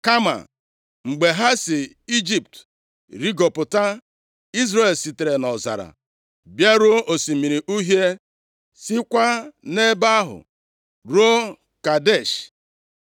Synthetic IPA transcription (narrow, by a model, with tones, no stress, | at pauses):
ka˦ma̰˨ | ŋ͡m̩˨ɡ͡be˨ɦa˦si˨ | i˦d͡ʒi˦˨p̚t | ɾi˦ɡo˨pʊ˨ta˦ | i˦zɾe˨lsi˨te˨ɾe˨nɔ˨za̰˨ɾa̰˨ | bja˦ɾo˦ʔo˨si˨mi˨ɾi˨ʔu˦ɦje˦ | si˦kʷa˦ne˦ba˦ɦʊ̰˨ | ɾo˦ | ka˨de˦˨ʃ